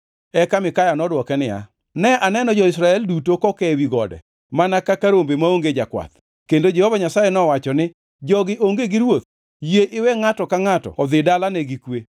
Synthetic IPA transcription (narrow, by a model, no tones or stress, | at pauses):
ɛkamɪkajanɔdwɔkɛnɪja̰ | nɛʔanɛnɔd͡ʒɔɪsɾaɛldutokɔkɛwiɡɔdɛ̰ | manakakaɾombemaoŋɡed͡ʒakwa̰t̪ | kendod͡ʒɛhovaɲasajɛnɔwat͡ʃɔnɪ | d͡ʒɔɡɪʔoŋɡeɡɪɾwot̪̚ | jeʔɪwɛŋatɔkaŋatɔ̰ɔd̪ɪdalanɛɡikwe